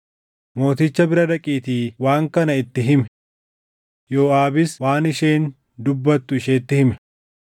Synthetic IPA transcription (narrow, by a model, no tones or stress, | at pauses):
mo̞ːt̪ɪt͡ʃːɐbɪɾɐd̪ɐkʼiːt̪iːwaːŋkɐnɐɪt̪ːɪɦɪmɛ | jo̞ːaːbɪswaːnɪʃe̞ːn | d̪ʊbːɐt̪ːʊɪʃeːt̪ːɪhɪmɛ